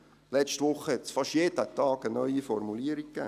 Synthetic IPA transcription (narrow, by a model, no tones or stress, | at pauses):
lɛt͡ʃtʋʊχəhɛt̪sfɑʃjeːdətɑːɡənœʏifɔrmuliəɾik̚kːæ̰ː